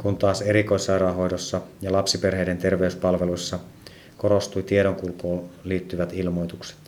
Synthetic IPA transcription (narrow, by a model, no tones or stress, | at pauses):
kunt̪ɑːseɾiko̞isːɑɾɑːɦo̞jdosːɑjɑlɑpsiperheijdent̪erʋeyspɑlʋelusːɑ | koɾost̪ujt̪ieɾoŋkulkoːliːt̪ːyʋæt̪ilmo̞jt̪ukse̥t̪